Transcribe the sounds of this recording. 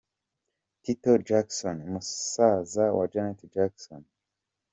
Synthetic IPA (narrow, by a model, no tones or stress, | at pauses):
t̪it̪od͡ʒaksonmussazawa̰d͡ʒanet̪id͡ʒakso̰n